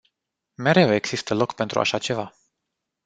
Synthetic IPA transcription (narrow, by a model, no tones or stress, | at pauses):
me̞ɾe̞we̞ɡz̥ist̪əlo̞kpe̞nt̪ɾṵa̰ʃat͡ʃe̞va